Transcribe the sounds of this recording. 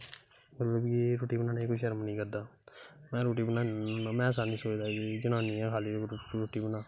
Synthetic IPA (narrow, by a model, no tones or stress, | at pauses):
mət̪ləbkeɾoːʈiːbənãːneikoiʃəɾmnəĩːkəɾd̪aːmɛ̃ːɾoːʈiːbənaːmɛ̃ːs̬aːnĩːsoːt͡ʃd̪aːid͡ʒənãːniːɛ̃ːkʰaːliːɾoːʈiːbənãː